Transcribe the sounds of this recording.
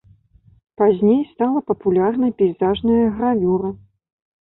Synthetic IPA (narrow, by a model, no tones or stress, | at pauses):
pazʲnʲejst̪alˠɐpɐpulʲarnɐjpʲɛjzaʐnɐjɐɣɾavʲuɾɐ